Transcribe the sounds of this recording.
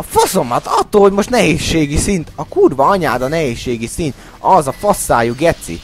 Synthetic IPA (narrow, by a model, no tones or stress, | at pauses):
ɒfoso̞mɒt̪ɒt̪ːoːlhoɟmo̞ʃt̪nɛɦeːʃːeːɡisint̪ɒkurvɒɒɲaːd̪ɒnɛɦeːʃːeːɡisint̪ | ɒzɒfosːaːjuɡɛt̪sḭ